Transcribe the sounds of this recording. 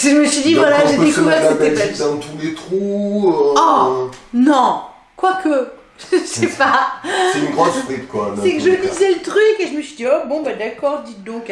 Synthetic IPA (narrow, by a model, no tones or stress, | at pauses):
ʒəməsɥid̪ivwalaʒed̪ekuvɛʁɛt̪ɛpɛd̪ɛ̃t̪ũd̪et̪χu | ɔ | nɔ̃ | kwakə | ʒəʒəsɛpaɛynɡʁɔ̃sfʁit̪kwamɛsɛkəʒəlizɛlət̪χykeʒəməsɥid̪iɔbɔ̃bad̪akɔʁd̪it̪̚d̪ɔ̃k